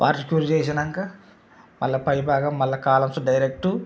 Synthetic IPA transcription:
pa̰ːɾsikjuːɾt͡ʃeːs̬inɐŋka | mʔɐ̰lːɐpɐjbʱaːɡɐmːɐlːɐkaːlɐmsuɖɐjɾek̚ʈu

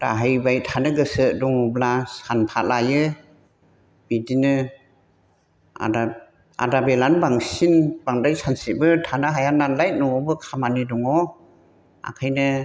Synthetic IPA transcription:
da̰ɦajbajtʰanɯɡɯsɯdɔŋɔblasanpʰatlajɯ | b̥idinɯ | a̰da | a̰dabelanbaŋsinbaŋdajsansibɯtʰanɯɦajanːanlaj̚nɔɔbɯkʰamanidɔŋɔ | a̰kʰajnɯ

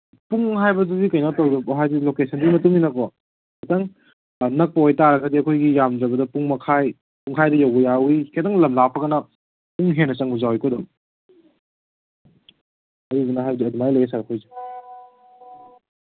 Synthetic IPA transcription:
puŋɦajbɐdubikɐjnatɐwdɐkɔɦajdilokesɐndimɐtuŋinɐkɔ | kɐtaŋ | nɐk̚pɐojtaɾɐɡɐdiɐkʰojɡijamd͡ʒɐbɐdɐpuŋmɐkʰaj | puŋkʰajdɐjawɡɐjawikʰetaŋlɐmlapʰɐɡɐnɐ | puŋɦenːɐt͡ʃɐŋbuzawikɔdum | ɐdudunɐɦajbɐdiɐdumajlɐjɐsaɾɐkʰojzi

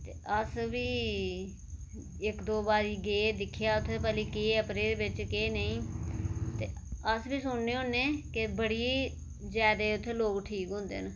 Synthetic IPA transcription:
t̪eːʔəsʋiː | ɪkd̪oːbaːɾiːɡeːd̪ɪkʰːjaːʊt̪ʰːeːpɛːliːkeːpɾeːɾbɪt͡ʃkeːnəĩː | t̪eːəsbiːsʊɳneːɦõːnːeːkɪbəɽiː | zjaːd̪eːʊt̪ʰːeːloːkʈʰiːkɦʊ̃ːnd̪ḛːn

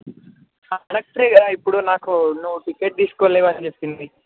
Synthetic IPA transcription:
aːɽɐk̚ʈɾeɡaipːuɽunaːkunuʋːuʈikeʈ̚d̪iːsu̥koːleːʋɐnit͡ʃept̪ind̪i

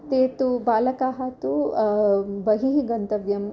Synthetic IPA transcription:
t̪eːt̪ubaːlɐkaːɦat̪u | bɐɦiɦiɡɐnt̪ɐʋjɐm

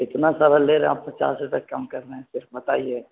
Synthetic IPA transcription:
ɪt̪nasaːɾaleːɾẽa̰ːppɐt͡ʃa̰ːsɪt̪ɐkːɐmkɐɾːəɦɛ̃sɪɾfbɐt̪aːie

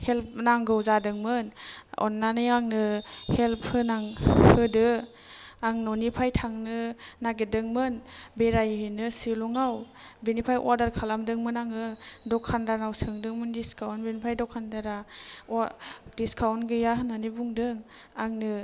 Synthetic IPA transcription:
help̚naŋɡɯwzadɯŋmɯnɔ̰nːanɯjaŋnɯhelp̚ʰhɯnaŋhɯdɯ | aŋnɔnipʰajtʰaŋnɯnaɡedɯŋmɯnbeɾajɦɯnɯsilɔŋaw | benipʰajʔɔɾdaɾkʰalamdɯŋmɯnaŋɯdɔkʰːandanawsɯŋdɯŋmɯndiskʰawnbenipʰajdɔkʰandaɾaɔdiskʰawnɡɯjaɦɯnanɯbuŋdɯŋ | aŋnɯ

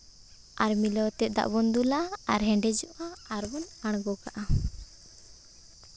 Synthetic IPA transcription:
aɾmilɔwt̪ɛʔ̪̚d̪a̰ʔbɔnd̪ulaaɾɦɛ̃ɳɖɛd͡ʒɔʔaːɾbɔnaɽ̃ɡɔkaʔa

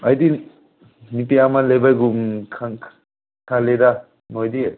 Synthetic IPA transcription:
ajdi | nipiamalebajɡumkʰa | kʰaleda | nojdi

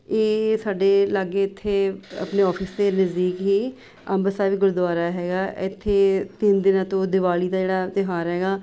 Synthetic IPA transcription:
eːsaːɖeːləɡeːɪt̪ʰːeːə̰pneːɔːpʰəsd̪eːnəzd̪iːkɦiː | əmbəsaːʋiːɡʊɾd̪ʊaːɾaːɦɛːɡaːɪt̪ʰːeːt̪ɪnd̪ɪnãːt̪õːd̪ɪʋaːliːd̪aːd͡ʒeːɽaːt̪ɪɦaːɾɦɛːɡaː

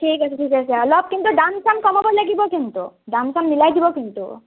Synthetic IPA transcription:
ʈʰikaseʈʰikasʰeɔlɔp̚kint̪uɖamsamkɔmɔbɔɾlaɡibɔkint̪ṵɖamsamnilajd̪ibɔkint̪ṵ

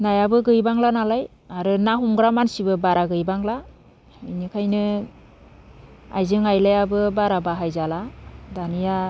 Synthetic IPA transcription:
najabɯɡɯjbaŋlanalaj | aɾɯnaɦumɡɾamansibɯbaɾaɡɯjbaŋla | inikʰajnɯ | a̰jzɯŋajlajabɯbaɾabaɦajzaladanija

